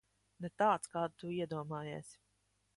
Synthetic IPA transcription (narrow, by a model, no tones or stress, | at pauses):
nɛt̪aːt̪skaːd̪t̪uiɛd̪uɔmaːjeːsʲ